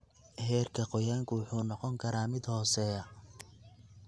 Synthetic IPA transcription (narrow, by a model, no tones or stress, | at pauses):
hɛːrkʰɐqɔjaːŋkʰʊwʊħuːnɔqɔŋkʰɐɾaːmɪd̪hɔːsɛɐ